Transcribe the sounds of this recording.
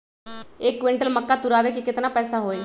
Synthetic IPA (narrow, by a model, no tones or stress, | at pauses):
ekːʋiɳʈəlməkːat̪uɾaʋek̬ikɪt̪napəjsaɦoːj